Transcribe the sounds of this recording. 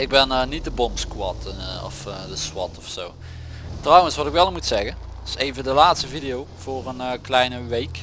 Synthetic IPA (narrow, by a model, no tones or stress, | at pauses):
ɪɡ̚bɛnnit̚dəbɔnskwɑtɔ̰fdəswɑtɔfso̰w | trʌwənsʋɑtɪkʋɛlˠmutsɛɣən | ɪ̥sejvədəlaːtstəvidɪjow | v̥ʊːrənklɛjnəʋejk